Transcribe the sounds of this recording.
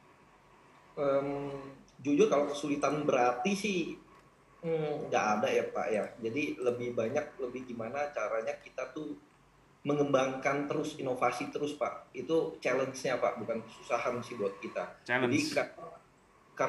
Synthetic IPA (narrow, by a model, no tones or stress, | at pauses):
ʔəmd͡ʒud͡ʒʊrkalakəsulit̪anbəɾat̪isɪh | əɡaʔːdajapa̰ʔjad͡ʒadiləbɪhbaɲak̚ləbɪhɡimanat͡ʃaɾaɲakit̪at̪u | məŋəmbaŋkant̪əɾʊsinofasit̪əɾʊspa̰ʔit̪ut͡ʃalənsɲapa̰ʔbukankə̥susaɦansɪhbuat̪̚kit̪aadia | ka